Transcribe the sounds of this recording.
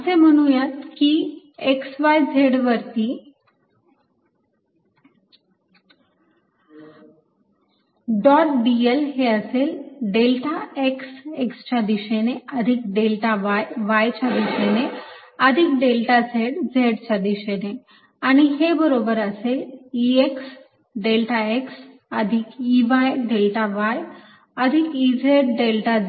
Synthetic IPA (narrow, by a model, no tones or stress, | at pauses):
əsem̤əɽ̃ũjat̪ki | eksʋajd͡zʱeɽʋəɾt̪iː | ɖɔʈ̚ɖielɦeəselɖelʈaeksekst͡ɕad̪iɕeneəd̪ʱik̚ɖelʈaʋjʋajt͡ɕad̪iɕeneəd̪ʱik̚ɖelʈad͡zʱeɽd͡zʱeɽt͡ɕad̪iɕene | aɽ̃iɦebəɾobəɾəselieks | ɖelʈaeks | əd̪ʱikiʋajɖelʈaʋaj | əd̪ʱikid͡zʱeɽɖelʈa